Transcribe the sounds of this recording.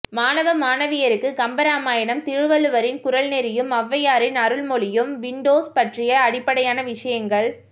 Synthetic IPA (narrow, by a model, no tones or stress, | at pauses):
maːnɐʋɐmaːnɐʋɪjɐɾɯkːɯɡɐmbɐɾaːmaːjɐnɐmt̪ɪɻɯʋɐlɯʋɐɾɪnkʊɾɐlnɛɾɪjɯmɐʋːɐjaːɾɪnɐɾɯɭmɔɭɪjɯmʋɪɳɖoːspɐʈrɪjɐːɽɪpːɐɽɐjaːnɐʋɪʂɐjɐŋɡɐɭ